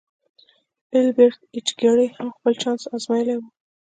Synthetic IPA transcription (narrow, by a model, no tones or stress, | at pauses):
ɪlbeɾt̪̚it͡ʃɡaɽehamxpəlt͡ʃɑnsɑzmɑjlewu